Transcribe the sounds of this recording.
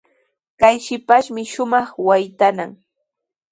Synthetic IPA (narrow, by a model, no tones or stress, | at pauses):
kajʃɪpaʃmɪʃʊmɑχwajt̪anaŋ